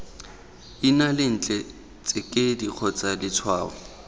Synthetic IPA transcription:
inalɪn̩ːt͡ɬʼɛ | t͡sʼɪkʼɪdiq͡χʰɔt͡sʼalɪt͡sʰwaːɔ̰

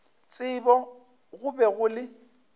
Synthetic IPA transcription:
t͡sʼɪbɔ | ɣʊbɛɣʊlɪ

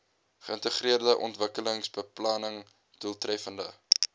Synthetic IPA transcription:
χəəntəχriərdəʔɔntvəkələŋsbəplɐnəŋ | d̥uəlˠtrɛfəndə

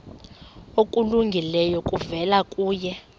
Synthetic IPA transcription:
okʼuluŋɡʱilɛjɔkʼuvɛlakʼuːjɛ

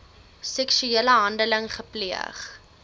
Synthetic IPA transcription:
sɛksyeːləɦɐndələŋχəpliə̰χ

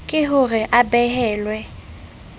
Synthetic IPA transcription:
kʼɪɦʊrɪʔabɛhɛːlwɛ

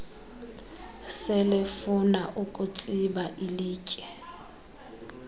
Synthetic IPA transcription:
sɪlɪfʊnaʔukʼut͡sʼibaʔiliːcʼɛ

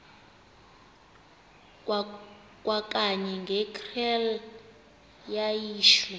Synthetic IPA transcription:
kʼwakʼaɲɛŋɡʱɛkʰʼrɛl | jajiːʃu

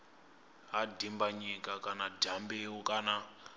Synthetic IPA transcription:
ɦadʱimbaɲikʼakanadʱambewukʼana

